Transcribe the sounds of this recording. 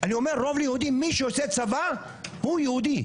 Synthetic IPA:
aniomeʁːovlijehud̪imiʃeoset͡sava | hujehud̪i

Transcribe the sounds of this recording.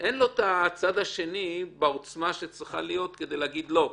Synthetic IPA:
ʔenlo̞t̪at͡sad̪aʃe̞nibeot͡smaʃet͡sʁiχa̰lijo̞t̪ked̪ejleːɡid̪lo̞

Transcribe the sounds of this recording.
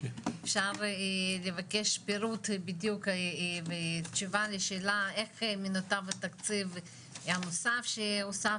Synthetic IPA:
efʃaʁlevakeʃpeɾut̪bid̪jukvett͡ʃuvaleʃeːlaeχmenot̪avat̪akt͡siv | anosafʃeosa

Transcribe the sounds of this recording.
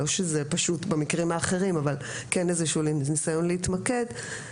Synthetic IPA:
oʃezepaʃutbemikʁimhaːχe̞ʁimaval | kenezeʃulinisajo̞nleitmake̞d

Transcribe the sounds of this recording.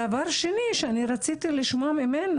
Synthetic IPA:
avaɾʃeniʃeaniɾat͡sit̪iliʃmoamimen

